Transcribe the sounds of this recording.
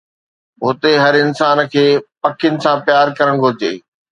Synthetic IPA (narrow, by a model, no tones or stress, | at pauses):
ɦʊt̪eɦɐɾɪnsaːnkʰeːpɐkʰɪjnɪ̆sãpjaːɾkɐɾəɽ̃ɡʱʊɾd͡ʑḛː